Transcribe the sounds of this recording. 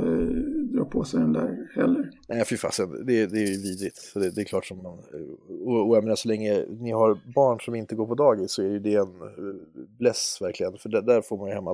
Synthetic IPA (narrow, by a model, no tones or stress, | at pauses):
d̪ɾɑ̰ːpʰɔsɛd̪ɛnd̪æ̰ɾhɛlːəɾnæɪfɪfa̰ːsɛnə̰d̪ɛd̪ɛæɾjɵviːd̪ɾɪt̪d̪ɛd̪ɛklɑːʈʂɔmːanɔɔjameːnaʂɔlɛŋːənɪɦaɾbɑːɳʂɔmɪnt̪əɡoːɾpʰɔd̪ɑːɡɪsːɔæɾjɵd̪ɛːn | blɛsvæɾkʰlɪɡənfœɖæɖæɾfoːɾmanjɵhɛmːa